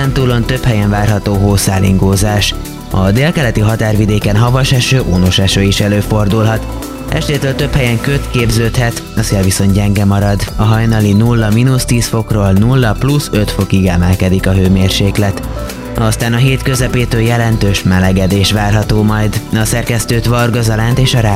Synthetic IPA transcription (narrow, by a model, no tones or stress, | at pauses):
ɛnt̪uːlo̞nt̪øphɛjɛɱvaːrɦɒt̪oːɦoːsaːlḭŋɡoːzaːʃ | ɒd̪eːlkɛlɛt̪iɦɒt̪aːrvid̪eːkɛnɦɒvɒʃɛʃøːʔoːnoʃɛʃøːiʃɛløːfo̞rd̪ulɦɒt̪ | ɛ̰ʃt̪eːt̪øːlt̪ø̞phɛjɛŋkøt̪keːbzøːt̪hɛt̪ | ɒseːlviso̞nt̪ɟɛŋɡɛmɒɾɒd̪ɒɦɒjnɒlinulːɒminust̪iːsfo̞kroːlnulːɒplusø̞t̪fo̞kiɡɛmɛlkɛd̪ikɒɦøːmeːrʃeːklɛt̪ | ɒst̪aːnɒɦeːt̪kø̞zɛpeːt̪øːljɛlɛnt̪øːʃmɛlɛɡɛd̪eːʃʋaːrɦɒt̪oːmɒjd̪ɒsɛrkɛst̪øːt̪ʋɒrɡɒzɒlant̪eːʃɒɾaː